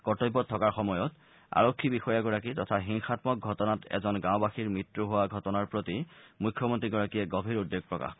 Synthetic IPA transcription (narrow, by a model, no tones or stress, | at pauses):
kɔtojbɔttʰːɔkaɹxɔmɔjɔt | a̰ɹokʰːibixɔjaɡɔɹakitɔtʰaɦiŋxatmɔk̚ɡʱɔtɔnatɛ̰zɔnɡãwbaxiɹmitɹuɦowaɡʱɔtɔnaɹpɹotimukʰːjɔmɔntɹiɡɔɹakijɛɡɔbʱiɹudːeɡ̚pɹɔka̰x